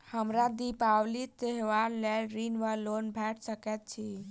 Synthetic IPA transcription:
həmɾad̪ipawlit̪eɦʋanlelɾinʋalonbʱɛʈʰsəkɛt̪̚t͡ʃʰi

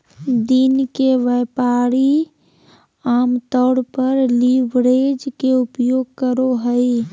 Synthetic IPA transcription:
d̪inkeʋɛːpaːɾi | aːmt̪ɔːɽpəɾliʋɾeːd͡ʒkeʊpjoːɡkəɾoɦəi

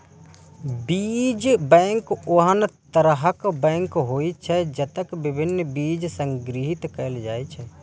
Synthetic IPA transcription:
bid͡ʒbɛ̃ːŋkoɦənt̪əɾəɦəkbɛ̃ːŋkɦoit͡ʃʰɛd͡ʒət̪əkbɪbʱɪnːbiːd͡ʒsə̃ŋɡɾiɦit̪kəld͡ʒaːit͡ʃʰɛ

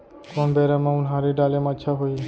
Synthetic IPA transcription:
kɔnbɛɾamãʊnɦãɾeɖaːlemətːʃʰaɦoi

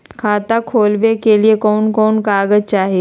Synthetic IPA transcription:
kʰaːt̪akʰoːlbekeliekɔːnkɔːnkaːɡət͡ʃaːɦieː

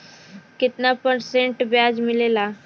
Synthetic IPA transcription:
kɪt̪napəɾsẽɳʈbjad͡ʑmɪlela

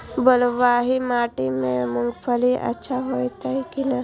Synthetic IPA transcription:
bəlʋaːɦimaːʈimẽmʊŋɡpʰəliʔɐ̰tːʃʰaɦoːjt̪aikina

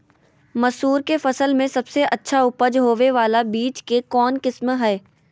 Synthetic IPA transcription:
mɐsuːɾkefɐsəlmẽsɐbseʔɐtːʃʰaʊpəd͡ʒɦoːʋeʋaːlabiːt͡ʃkekɔːnkɪsmɦɛː

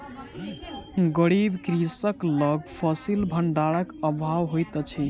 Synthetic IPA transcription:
ɡəɽibkɾisəkləɡpʰɔsilbʱəɳɖaɭəkəbʱawɦojt̪t͡ʃʰi

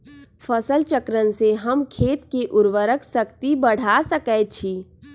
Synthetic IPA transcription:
pʰəsəlt͡ʃəkɾənseɦəmkʰeːt̪keʔʊɾʋəɾəksəkt̪ibəɽ̤asəkəjt͡ʃʰi

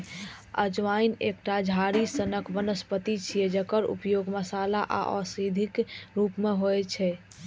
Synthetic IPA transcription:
ə̰d͡ʒʋainek̚ʈad͡ʒʱaɾisənəkbənəspət̪it͡ʃʰijɛd͡ʒəkəɾṵpjoɡməsalaʔa̰ʔɔ̰sid̪ʱikɾupmeɦojt͡ʃʰɛ

